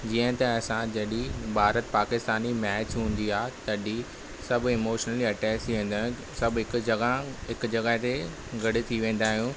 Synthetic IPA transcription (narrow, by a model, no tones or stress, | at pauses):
d͡ʑiːə̃t̪ɐɐsãd͡ʑɐɗibʱaːɾət̪paːkɪst̪aːnimɛːt͡ɕɦũːn̆d̪iaːɦet̪ɐɗi | sɐbʱʊɪmoːʃnəliɐʈɛːkst̪iʋẽːn̆d̪aːɦjũ | sɐbɪkɐɡaɦɪkʊ̆d͡ʑɐɡaːɦet̪e | ɡɐɽɪ̆t̪ʰiʋẽːn̆d̪aːɦijũː